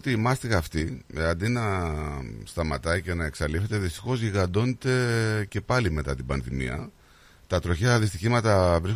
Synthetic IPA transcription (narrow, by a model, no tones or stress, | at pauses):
t̪iːmɐst̪iɐft̪iɐnd̪inɐ | st̪ɐmɐt̪ɐice̞nɐe̞ksɐlife̞t̪e̞ðist̪i̥xo̞zʝiɣɐnd̪o̞net̪e̞ce̞pɐlime̞t̪ɐt̪ibɐnðimḭɐ̰ | t̪ɐt̪ɾo̞çɐðist̪içimɐt̪ɐvɾis